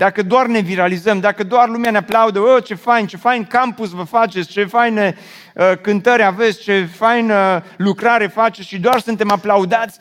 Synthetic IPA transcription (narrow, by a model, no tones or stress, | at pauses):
d̪akəd̪oarne̞viɾalizəmd̪akəd̪oarlumeaneaplaud̪əət͡ʃe̞fajnt͡ʃe̞fajnkampusvəfat͡ʃe̞t̪sʲt͡ʃe̞fajne | əkɨnt̪əɾʲave̞t̪sʲt͡ʃe̞fajnəlukɾaɾe̞fat͡ʃesʲʃid̪oarsunt̪e̞maplaud̪at̪sʲ